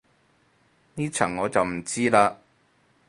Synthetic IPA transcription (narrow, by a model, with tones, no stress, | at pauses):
niː˥t͡ʃʰɐː˨˩ŋːɔː˨˧t͡sɐ˨wm̩˨˩t͡siː˥laː˧